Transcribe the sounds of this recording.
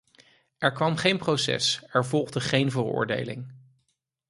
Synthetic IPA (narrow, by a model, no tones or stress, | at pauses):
ɛɹkʋɑmχejnprowsɛ̰sɛɹvɔlˠχdəχejnvərʊ̰ːɹdḛjlɪ̰ŋ